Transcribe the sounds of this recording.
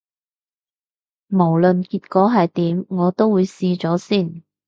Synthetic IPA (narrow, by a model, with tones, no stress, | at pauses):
mo˨˩wlɵ˨nkiː˧t̚kɔː˨˥ɦɐ˨jt̪iː˨˥mŋɔː˨˧t̪o˥wuː˨˧jsiː˧t͡sɔː˨˥siː˥˩n